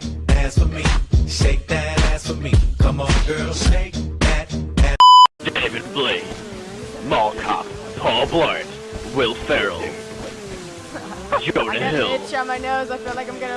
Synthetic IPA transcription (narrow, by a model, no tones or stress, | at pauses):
æzfəmiʃeɪk̚ðɨɾæz̥fəmikʰʌ̃mənɡɜ˞lˠʃeɪk̚ðæɾæd̥eɪvɨd̚bli | mɔlˠkʰɑ̰p | pʰɔlˠblɑɹn | wɪlˠfɛɹəl̩ˠ | ʒʊ̃nɨɦɪlˠəmaɪnoʊzaɪfilˠaɪkãɪ̃mɡʌnə